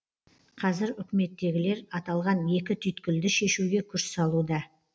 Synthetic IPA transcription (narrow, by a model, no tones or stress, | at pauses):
qʰɑzɪɾʏkʲɪme̞t̪ːe̞ɡʲɪle̞ɾɑt̪ɑlˠʁɑnje̞kʲɪt̪ʰʏjt̪kʲɪld̪ɪʃe̞ʃuɡʲe̞kʲʰʏɾssɑlˠud̪ɑ